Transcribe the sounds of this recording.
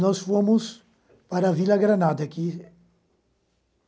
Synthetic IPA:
nɔsfomʊs | paɾɐvilɐɡɾanad̪ɐki

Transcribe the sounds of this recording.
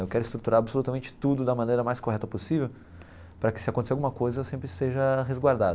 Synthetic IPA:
ewkɛɾʊɪist̪ɾut̪uɾaɾabɪsolut̪ɐmẽnt͡ʃɪ̥t̪ud̪ʊd̪ɐmɐ̃nejɾɐmajskoɦɛt̪ɐposivew | pɾɐkɪ̥sɪakõt̪eseawɡũmɐkojzɐewsẽmpɾɪst̪eʒɐɦezɡwaɾd̪ad̪

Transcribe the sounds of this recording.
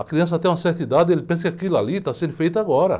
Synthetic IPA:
ɐkɾiɐ̃s̬ɐt̪ẽj̃ũɐsɛɾt̪id̪ad̪ɪelɪpẽs̬ɐkɪakilʊalit̪asẽnd̪ʊfejt̪ɐaɡɔɾɐ̰

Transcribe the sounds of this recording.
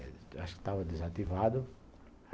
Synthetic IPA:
aʃʊ̥kɪ̥t̪avɐd̪ezat̪ivad̪ʊ

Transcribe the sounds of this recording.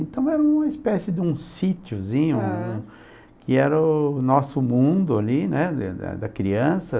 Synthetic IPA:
ẽnt̪ɐ̃w̃ɛɾɐũmɐispɛsɪd̪ɪũsit͡ʃjʊzĩɲʊũ | kɪɛɾɐʊnɔsʊmũnd̪ʊalinɛ̰d̪ɐ̰d̪ɐkɾiɐ̃sɐ

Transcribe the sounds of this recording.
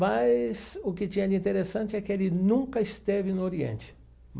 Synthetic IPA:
mɐsʊkɪt͡ʃĩɲɐdɪĩt̪eɾesɐ̃nt͡ʃɪɛkɪelɪnũŋkɐɪst̪evɪnʊoɾiḛ̃nt͡ʃɪ̥ | m

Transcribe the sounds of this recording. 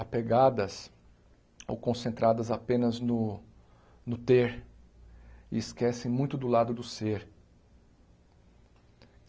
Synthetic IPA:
apeɡad̪ɐs | o̰wkõsẽnt̪ɾad̪ɐzapẽnɐznʊ | nʊt̪eɾ | ɪ̰ɪskɛsẽj̃mũj̃t̪ʊd̪ʊlad̪ʊd̪ʊseɾ

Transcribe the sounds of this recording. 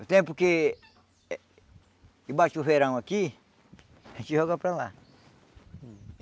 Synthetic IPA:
t̪ẽmpoke | ibat͡ʃufeɾãw̃aki | hẽt͡ʃihoɣapɾala

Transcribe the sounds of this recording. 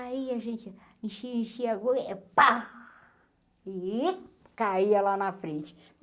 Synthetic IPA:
aiaʒẽnt͡ʃ | ĩʃĩʃiaɡk͡pa | i | kaiɐlanɐfɾẽnt͡ʃɪ̥ | m

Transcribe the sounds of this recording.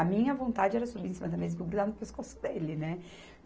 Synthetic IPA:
ɐmĩɲɐvõnt̪ad͡ʒɪɛɾɐsubiẽsimɐd̪ɐmezkoɡɾuzavnʊpeskosʊ̥d̪elɪnɛ

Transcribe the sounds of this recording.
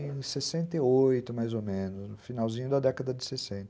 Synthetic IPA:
ẽsesẽnt̪eojt̪ʊmajzomẽnʊsnʊfinawzĩɲʊd̪ɐd̪ɛkɐd̪ɐd͡ʒɪsesẽnt̪ɐ

